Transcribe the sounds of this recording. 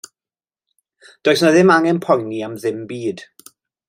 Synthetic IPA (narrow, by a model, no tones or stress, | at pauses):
d̥oːjsnaðɪmaŋɛnpʰɔjniamðɪmbiːd̥